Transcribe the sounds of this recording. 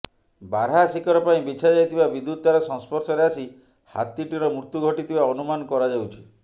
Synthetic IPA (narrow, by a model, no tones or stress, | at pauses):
baɾɦasikɔɾɔpaĩbit͡ʃʰad͡ʒajt̪ibabid̪ːut̪̚t̪ːaɾɔsɔ̃ŋspɔɾsɔɾeasi | ha̰t̪iʈiɾɔmɾuɾt̪uɡʱɔʈit̪ibaɔnumanɔkɔɾad͡ʒawt͡ʃʰi̥